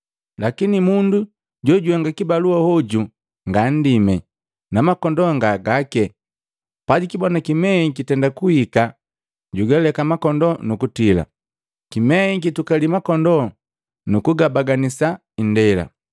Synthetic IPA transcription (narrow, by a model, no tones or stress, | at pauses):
lakinimundu | ɟɔɟuaŋɡakibaluahɔɟu | ŋɡan̩dimɛ | namakɔndɔŋɡaɡakɛ | paɟikibɔnakimɛikitɛndakuhika | ɟuɡɛlɛkamakɔndɔnukutila̰ | kimɛikitukalimakɔndɔ | nukuɡabaɡanisa | indɛla̰